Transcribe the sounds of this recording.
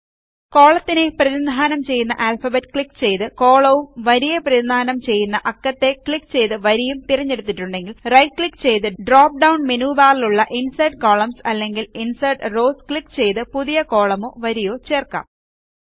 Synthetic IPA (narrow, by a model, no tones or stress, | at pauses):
ko̞ːɭɐt̪ːine̞prɐðund̪ʱaːnɐmt͡ɕe̞jːunːɐʔaːlfɐbetːkɭikːt͡ɕe̞jt̪ɨko̞ːɭɐʋumʋɐɾijɐprɐinaːnɐmt͡ɕe̞jːunːɐʔɐkːɐt̪ːe̞kɭikːt͡ɕe̞jt̪ɨʋɐɾijumt̪irɐɲːe̞ɽut̪̬ːiʈːuɳɖe̞ŋɡilrɐjkɭikːt͡ɕe̞jt̪ɨɖraːp̚ɖɐwnmenuːbaːliluɭːɐʔinsɐjɖko̞ːɭɐmsɐlːe̞ŋɡilinsɐjɖro̞ːskɭikːt͡ɕe̞jt̪ɨpuðijɐko̞ːɭɐmoːʋɐɾijo̞ːt͡ɕe̞ːrka̰ːm